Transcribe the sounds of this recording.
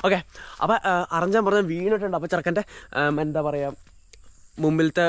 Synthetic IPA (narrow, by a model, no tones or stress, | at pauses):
okeɐ̰pɐʔɐrɐɲd͡ʑaːmpɐrɐɲːaːʋiːnoʈːuɳɖɨɐp̬ːoːt͡ɕirɐkːaːndeend̪aːpɐrɐjaːmː | umbilt̪ːe